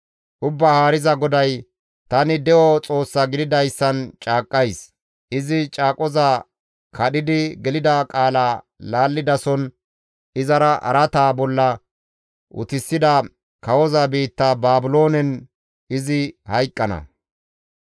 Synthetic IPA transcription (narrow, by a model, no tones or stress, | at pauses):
ʔʊbːahaːɾɪzɐɡɔd̪ɐj | t̪ɐnɪd̪ɛʔɔt͡sʼo̞ːsːɐɡɪd̪ɪd̪ɐjsːɐnt͡ʃʼaːkʼːɐjs | ʔɪzɪt͡ʃʼaːkʼɔzaː | kʰɐɗɪd̪ɪɡɛlɪd̪akʼaːlaː | laːlːɪd̪ɐsɔn | ɪzɐɾɐʔɐ̰ɾɐt̪aːbɔlːɐ | ʔʊ̰t̪ɪsːɪd̪ɐ | kɐwɔzabiːt̪ːabaːbɪlo̞ːnɛn | ɪzɪhɐjkʼːɐnɐ̰